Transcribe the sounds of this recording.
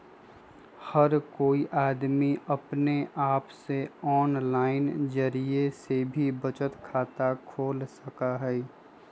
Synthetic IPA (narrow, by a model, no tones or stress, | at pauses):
həɾkoːiʔaːd̪miɐpneʔaːpseɔːnlaːɪnd͡ʒəɾiesebʱibət͡ʃət̪kʰaːt̪akʰoːlsəkaɦɛː